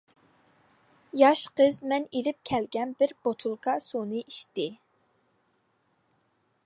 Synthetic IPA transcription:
jɑʃqəzmɛnelɪp̚kʲʰɛlɡʲɛnbɪɾbot̪ʰulˠkʰɑsunɨʔiʃt̪ɪ

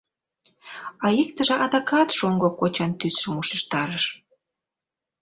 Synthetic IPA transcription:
ɑikt̪ə̆ʒĕʔɑd̪ɑkɑt̪ʃoŋɡokot͡ɕɑnt̪ysʃumuʃəʃt̪ɑɾəʃ

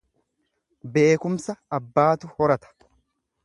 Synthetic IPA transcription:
be̞ːkʊmsɐːbːaːt̪ʊhɔɾɐt̪ɐ̥

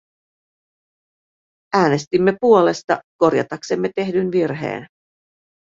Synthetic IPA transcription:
æːne̞st̪imːe̞puo̞le̞st̪ɑ̰ko̞ɾjɑ̰t̪ɑksemːe̞t̪e̞hdynʋirɦḛːn

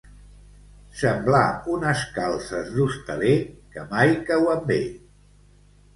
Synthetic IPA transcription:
səmblaunəskalˠsəzðust̪əlekəmajkawəmbeʎ

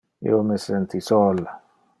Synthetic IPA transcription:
ḭomesent̪isoːla

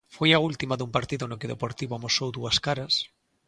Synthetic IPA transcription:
fojault̪imaðumpaɾt̪iðonokeðepoɾt̪iβoamosowðuaskaɾas

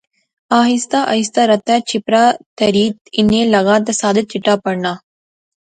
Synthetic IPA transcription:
aːɦist̪aːʔɐ̰jst̪aɾɐt̪ːaːt͡ʃipɾaːt̪ɐɾiːt̪inːeːlɐɡaːt̪ɐsaːd̪ɐt͡ʃiʈːaːpɐɽɳaː

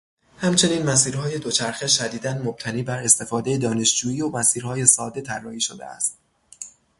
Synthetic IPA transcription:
hæmt͡ʃʰe̞niːnmæs̬iːɾhɒːje̞d̪o̞t͡ʃʰæɾxeʃæd̪iːd̪ænmob̥̚t̪ʰæniːbæɾe̞st̪e̞fɒːd̪e̞jed̪ɒːne̞ʃd͡ʒuːjiːomæsiːɾhɒːje̞sɒːd̪e̞t̪ʰærːɒːhiːʃod̪e̞̰æ̰st̪

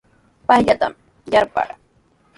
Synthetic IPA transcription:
pajʎat̪a̰m | jaɾpa̰ɾ

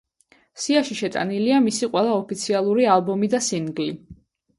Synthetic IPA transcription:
siaʃiʃɛt̪ʼa̰niliamisiqʼwɛlˠaɔpʰit̪sʰialˠuɾialˠbɔmid̪asinɡli

